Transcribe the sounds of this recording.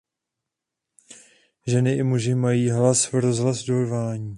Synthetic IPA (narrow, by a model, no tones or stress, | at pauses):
ʒɛnɪʔɪmuʒɪmajiːɦlasɾo̞zɦlasdorvaːɲiː